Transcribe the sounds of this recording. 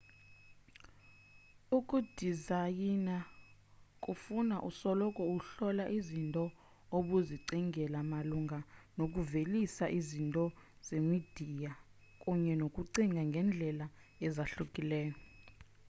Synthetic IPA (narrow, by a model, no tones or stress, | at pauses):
ukʼud̥ʱizajina | kʼufunaʔusɔlɔkʼɔuɬɔlaʔizintʼɔ | oɓuziǀiŋɡʱɛlamaluŋʱanok̬ʼuvelisaʔizintʼɔ | z̥emid̥ʱija | kʼuɲɛnokʼuǀiŋɡʱaŋɡʱɛnd͡ɮʱɛlaɛzaɬukʼilɛːjɔ